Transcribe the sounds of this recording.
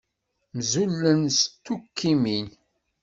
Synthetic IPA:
mzulːənst̪ːukʰːimin

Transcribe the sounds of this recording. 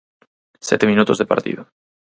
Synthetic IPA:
sjɛt̪emĩnut̪ozðepa̰ɾt̪ḭð̞o

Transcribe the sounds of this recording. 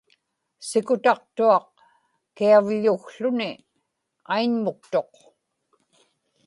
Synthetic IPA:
sɪkʊt̪ɑq̚t̪uɑq | kiavʎuxɬʊnɪ | ajnmʊk̚t̪o̞q

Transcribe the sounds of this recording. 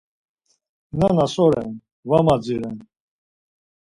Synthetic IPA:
nanasɔɾɛ̰n | vamad͡ziɾɛn

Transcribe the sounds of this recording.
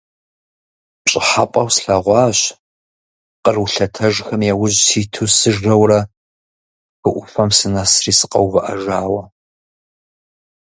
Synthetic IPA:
pɕʼɪħapʼɐwsɬɐʁʷɑːɕ | qərwɬɐtʰɐʒxɐmjɛwʊʑsʰiːtʰuːsɨʒɐwrɐ | xɨʔʷʊfɐmsɨnɐsriːsɨ̥qɐwvɨʔɐ̰ʒaːwɐ

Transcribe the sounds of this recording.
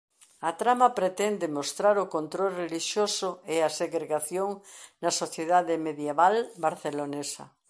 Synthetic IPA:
ɐt̪ɾamɐpɾet̪ɛnd̪emost̪ɾaɾokont̪ɾolreliʃjosʊeaseɣɾeɣaθjoŋnɐsoθjeðaðemeðjeβalbaɾθelonesɐ̰

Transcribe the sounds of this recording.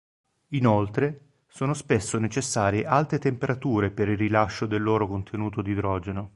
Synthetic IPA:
inolt̪ɾe | soːnospesːonet͡ʃesːaːɾjeʔalt̪et̪empeɾat̪uːɾepeɾilrːilaʃːod̪elːoːɾokont̪ʰenuːt̪od̪id̪ɾɔːd͡ʒeno

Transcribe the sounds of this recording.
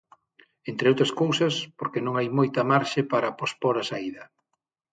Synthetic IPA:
ent̪ɾeowt̪ɾɐskowsɐspoɾkenõŋajmojt̪ɐmaɾʃepaɾɐpospoɾɐsaiðɐ

